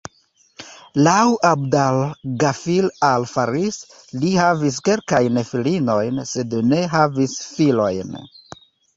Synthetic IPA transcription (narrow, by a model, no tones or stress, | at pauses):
lawʔabdalɡafilalfaɾis | lihavis̬ke̞lkajnfilino̞jnse̞dne̞ɦavisfilo̞jn